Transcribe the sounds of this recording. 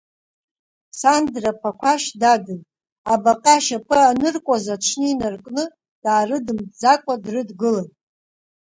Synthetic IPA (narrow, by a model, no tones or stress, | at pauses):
sandrapʰakʷʰaʃdaɡɨn | abaqʼaʃapʰɨanɨrkʷʼazaʈ͡ʂʷʰnɨinarkʼnɨ | d̥aːrɨdɨmd͡zakʷʼadrɨdɡɨlanʼ